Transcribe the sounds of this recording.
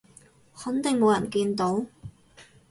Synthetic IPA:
hɐ˨˥nt̪ɪ˨ŋmo˨˧wjɐ˨˩nkiː˧nt̪o˨˥w

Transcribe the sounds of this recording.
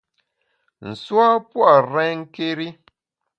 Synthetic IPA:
n̩˨swa˦pwa˦˨ɾɛ̃˦ŋ̩˦ke˦ɾi˦

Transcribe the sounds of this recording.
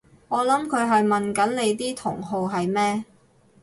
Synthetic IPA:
ŋɔː˨˧lɐ˨˥mkʰɵ˨˧ɥɦɐ˨jmɐ˨nkɐ˨˥nle˨˧jt̪iː˥t̪ʰʊ˨˩ŋɦo˨wɦɐ˨jmɛː˥

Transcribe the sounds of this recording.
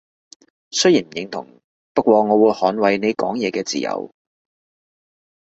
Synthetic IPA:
sɵ˥jiː˨˩nm̩˨˩˨jɪ˨˧˥ŋt̪ʰʊ̰˨˩ŋ | pɐ˥t̚kʷɔː˧ŋɔː˨˧wuː˨˧jhɔː˨˥nwɐ˨˧jne˨˧jkɔ̰ː˨˥ŋjɛː˨˧kɛː˧t͡siː˨jɐ̰˨˧w

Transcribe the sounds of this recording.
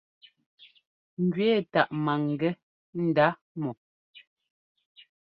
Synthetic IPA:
ŋ̩˨ɡɥɛː˦˨ta˨ʔma˨ŋ˨ɡɛ˦ | n̩˨da˨˦ | mɔ˨

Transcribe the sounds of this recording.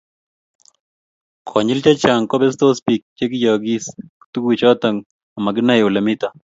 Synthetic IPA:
kʰɔ˨ɲɪ˦lt͡ʃa˦t͡ʃa˨ŋkɔ˦bɛ˦s̬t̪o˦spi˨k̚t͡ʃe˦k̬ɪ˦ja˨ɡi˦sku̥t̪u˦ɡwi˨t͡ʃɔ˦t̪a˨ŋ | a˨ma˨ɡɪ˦na˦jʊ˨la˨mi˦t̪a˦

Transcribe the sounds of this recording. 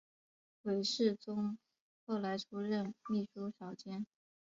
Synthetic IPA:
xwe˧˥ɪʂɻ̩˥˩t͡sʊ˥ŋ | xo˥˩ʊla˧˥ɪʈ͡ʂʰu˥ɻə˥˧nmi˥˩ʂu˥ʂjɑ˨˩ʊt͡ɕjɛ˥n

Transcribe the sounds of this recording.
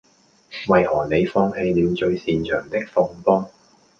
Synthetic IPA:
wɐ˨jhɔː˨˩ne˨˧jfɔː˧ŋhe˧jliː˨˧mt͡ʃɵ˧ɥsiː˨nt͡ʃʰœː˨˩ŋt̪ɪ˥k̚fɔː˧ŋpɔː˥ŋ

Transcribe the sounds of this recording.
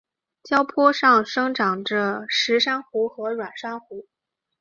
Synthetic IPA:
t͡ɕjɑ˥ʊpʰɔ˥ʂɑ˥˩ŋʂɤ˥ŋʈ͡ʂɑ˨˩ŋʈ͡ʂə˧ʂɻ̩˧˥ʂa˥nxu˧˥xɤ˧˥ɻwa˨˩nʂa˥nxu˧˥

